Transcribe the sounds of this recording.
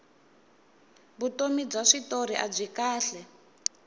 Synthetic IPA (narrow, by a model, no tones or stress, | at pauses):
βutomib͡ʐaʂitoɾiʔab͡ʐʷikaːɬɛ